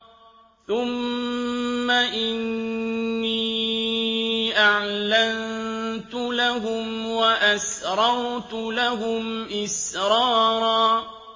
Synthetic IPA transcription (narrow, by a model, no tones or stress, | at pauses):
θʊmː | aʔɪnː | iː | ʔaʕlant̪ʊlaɦʊmwaʔasɾˤɑɾˤt̪ʊlaɦʊmʔɪsɾˤɑːɾˤɑː